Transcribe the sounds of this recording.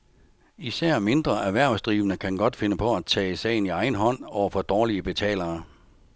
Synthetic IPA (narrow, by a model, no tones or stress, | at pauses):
isæɐ̰me̝nd̥ʁɐʔæʋæɐ̰sd̥ʁiːʋənəkʰænɡ̥ɒ̽d̥fe̝nəpʰɒ̽æt͡sʰɛ̰ːsɛ̰ɪniɑ̈ɪn̩ɦɒ̽n̰ɒ̰ʊɐfɒ̽d̥ɒːliəb̥e̝t͡sʰɛ̰ːlɐː